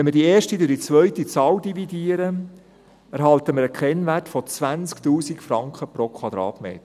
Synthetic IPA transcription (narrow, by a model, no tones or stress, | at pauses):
ʋɛnmɪdieːʃtid̪øːdit͡sʋœʏtit͡sɑːldividiəɾə | æɾɦɑlt̪əmɪɾəkʰɛnvætfɔt͡sʋænt͡skt̪uːsikfɾɑŋkχəpɾokʰwɑd̪ɾɑ̰ːt̪mḛːt̪